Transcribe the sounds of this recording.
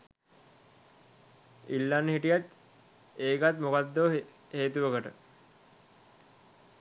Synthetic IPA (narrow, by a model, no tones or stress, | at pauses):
ilːanːɦiʈijat̪ | eːɡat̪mokad̪ːoʋ | heːt̪uʋəkəʈə